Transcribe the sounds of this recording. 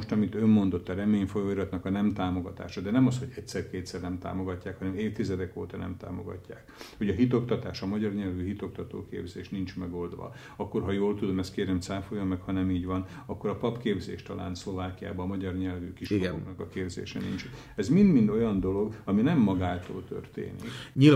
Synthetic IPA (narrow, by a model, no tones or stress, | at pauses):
oʃt̪ɒmit̪ø̞mːo̞nd̪o̞t̪ːɒɾɛmeːɲfo̞joːiɾɒt̪nɒkɒnɛmt̪aːmo̞ɡɒt̪a̰ːʃɒd̪ɛnɛmɒsho̞ɟɛcsɛrkeːt̪sɛrnɛmt̪a̰ːmo̞ɡɒcːaːkhɒnɛmeːft̪izɛd̪ɛko̰ːt̪ɒnɛ̰mt̪a̰ːmo̞̰ɡɒ̰cːa̰ːkho̞ɟɒɦit̪o̞kt̪ɒt̪aːʃɒmɒɟɒrɲɛlvyɦit̪o̞k̚t̪ɒt̪o̰ːkḛːbzeːʃnint͡ʃmɛɡo̞ld̪ʋɒ̰ | ɒkːo̞rɦɒjoːlt̪ud̪o̞mɛst̪̚keːɾɛmt̪saːfojomːɛkhɒnɛmiːɟvɒnɒkːo̞ɾɒpɒpkeːbzḛːʃt̪ɒlʔa̰ːnslo̞vaːkija̰ːbɒːmɒɟɒrɲɛlvykiʃooknɒkɒkeːbzḛːʃɛ̰nḭnt͡ʃɛt̪ | ɛzmind̪mind̪o̞jɒnd̪o̞lo̞ɡɒminɛmːɒɡaːt̪o̰ːlt̪ø̰rt̪ḛːnikɲi